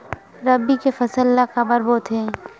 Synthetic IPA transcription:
ɾəbikefɐsəlːakabəɾbɔːt̪ɦɛ̃ː

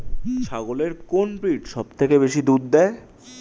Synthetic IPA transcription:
ʃaɡoleɾkonpɾiʈʃɔb̚t̪ʰekeβbeʃid̪ud̪d̪ɛe

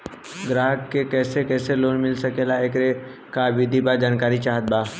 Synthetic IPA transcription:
ɡɾaːɦəkːekɛːsekɛːseloːnmɪlsəkeːlaeːkɾe | kaʋɪd̪ʱibad͡ʒaːnkaːɾit͡ʃaːɦət̪̚baː

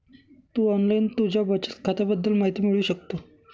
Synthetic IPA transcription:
t̪uːɔnlaint̪ud͡ʑjabət͡ɕət̪kʰat̪abəd̪ːəlmaɦit̪iːmiɭuːɕək̚t̪o

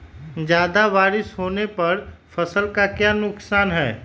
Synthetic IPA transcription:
d͡ʒjaːd̪aʋaːɾɪsɦoːnepɐɾfʰɐsəlkakjaːnʊksaːnɦɛː

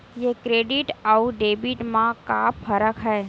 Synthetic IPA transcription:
jekɾeːɖɪʈauɖeːbiʈmãkaːpfʰəɾəkɦɛː

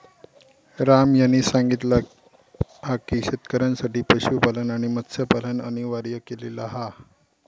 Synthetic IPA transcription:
ɾamjañiːsaŋɡit̪la | ɦakiɕet̪kəɾənsaʈiːpəɕupalənaɽ̃imət̪ːsəpaləna̰ɽ̃iʋaɾjəkelelaɦa

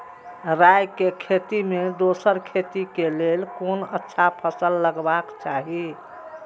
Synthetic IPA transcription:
ɾajkekʰet̪imed̪osəɾkʰet̪ikelelkonətːʃʰapʰəsəlːəɡbakt͡ʃaɦi

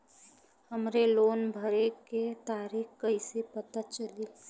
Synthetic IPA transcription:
hɐmɾeloːnbʱɐɾeket̪aːɾiːkkɐisepɐt̪at͡ʃəle

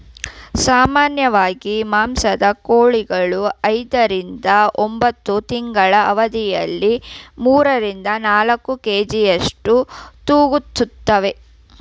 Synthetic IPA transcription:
saːmaːnjɐʋaːɡimaːmsɐd̪ɐkoːɭiɡɐɭuɐjd̪ɐɾind̪ɐombɐt̪ːut̪iŋɡɐɭɐʔɐʋɐd̪ijɐlːimuːɾɐɾind̪ɐnaːlɐkːukeːd͡ʒijɐʂʈut̪uːɡut̪ːut̪ːɐʋe

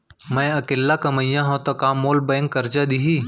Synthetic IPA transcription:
mɛ̃ɐkeːlːakɐməjãɦõt̪okaːmːoːlbɛ̃ːŋkːɐɾd͡ʒad̪iɦiː

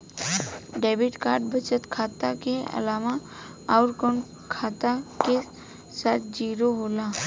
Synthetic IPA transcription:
ɖeːbiʈkaːɾɖbət͡ʃət̪kʰaːt̪akeə̰laːma | ɔːɾkon | kʰaːt̪ake | saːt̪ʰd͡ʒiːɾoɦoːla

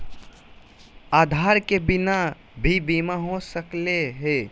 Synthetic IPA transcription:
aːd̪ʱaɾkebɪna | bʱibimaɦosəkleɦe

